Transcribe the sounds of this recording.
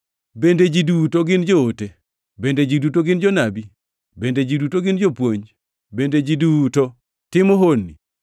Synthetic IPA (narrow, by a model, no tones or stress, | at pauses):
bended͡ʒidutoɡɪnd͡ʒoote | bended͡ʒidutoɡɪnd͡ʒonabi | bended͡ʒidutoɡɪnd͡ʒopwoɲ | bended͡ʒiduto | tɪmɔɦonːḭ